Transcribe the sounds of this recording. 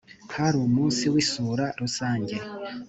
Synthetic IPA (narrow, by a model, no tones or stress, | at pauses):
kʰaɾumuːnsiwisuːɾaɾusaːɲɟe̞